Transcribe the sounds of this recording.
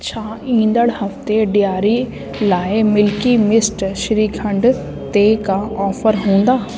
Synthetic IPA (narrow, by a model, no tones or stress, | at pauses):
t͡ɕʰaːĩːnd̪əɽhɐft̪eɖɪjaːɾi | laːemɪlkimɪsʈʃɪɾiːkʰə̃ɳɖ | t̪ekaʔɔːfʰəɾɦõːn̆d̪aː